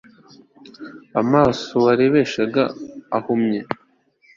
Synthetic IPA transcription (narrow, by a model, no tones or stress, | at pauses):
amaːsoaɾeβeʃaɡaːhumɲe